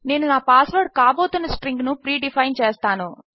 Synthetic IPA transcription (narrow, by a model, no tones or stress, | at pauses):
ne̞ːnunaːpaːsʋɐɾɖ̚kaːbo̞ːt̪unːɐsʈɾiŋɡnupɾiːɖipʰɐjnt͡ʃeːst̪aːnu